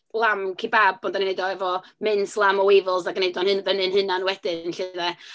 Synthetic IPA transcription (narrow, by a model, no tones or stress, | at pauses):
lˠamkʰibab̚ɔndaninejdɔɛvɔmɪnslˠamɔwevɪlˠzaɡənejdɔnhɨnvənɨnɦɨnanwɛd̥ɪnɬɪðɛ